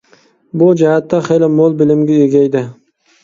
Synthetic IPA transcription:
bʊd͡ʒahat̪ːaχejlamolˠbɪlɪmɡʲɪeɡʲajd̪ɪ

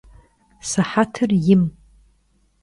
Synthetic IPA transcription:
saħatʰɨrjɪm

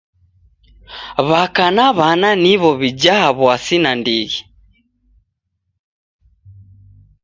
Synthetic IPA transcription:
βakanaβananiβɔβid͡ʒaɦaβwasinandiɣi

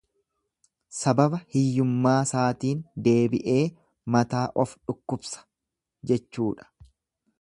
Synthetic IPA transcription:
sɐbɐbɐhɪjːʊmːaːsaːt̪iːnd̪e̞ːbɪʔe̞ː | mɐt̪aːʔɔfᶑʊkːʊbsɐ̥ | d͡ʒɛt͡ʃːuːᶑɐ̥

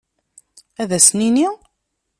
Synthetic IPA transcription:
æðæsnini

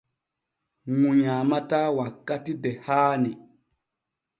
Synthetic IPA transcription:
ŋuɲamatawakːatidɛhaːni

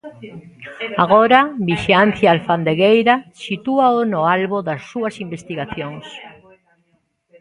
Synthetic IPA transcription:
aɣoɾaβiʃianθjaalfand̪eɣejɾasit̪uaonoalβoðasːuɐsimbest̪iɣaθjoŋs

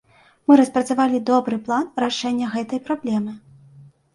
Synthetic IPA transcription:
mɨɾɐspɾɐt̪savalʲid̪ɔbɾɨplˠanraʂɛnʲːɐɣɛt̪ɐjpɾablʲɛmɨ

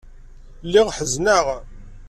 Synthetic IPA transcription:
lːiʁħəznaʁ

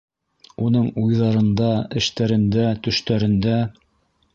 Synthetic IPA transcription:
unɤɴujðɑɾɤ̆nd̪ɑɘ̆ʃt̪æɾɘ̆nd̪æt̪ɵ̆ʃt̪æɾɘ̆nd̪æ

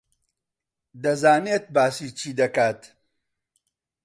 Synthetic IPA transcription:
d̪ɐzaːneːt̪̚baːsiːt͡ʃʰiːd̪ɐkaːt̪

